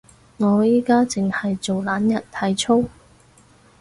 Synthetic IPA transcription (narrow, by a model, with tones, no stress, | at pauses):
ŋɔː˨˧jiː˥kaː˥t͡sɪ˨ŋhɐ˨jt͡so˨wlaː˨˥njɐ˨t̚t̪ʰɐ˨˧jt͡ʃʰo˥w